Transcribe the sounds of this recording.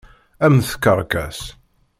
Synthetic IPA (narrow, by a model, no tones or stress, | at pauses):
æmθkːəɾˤkæ̰s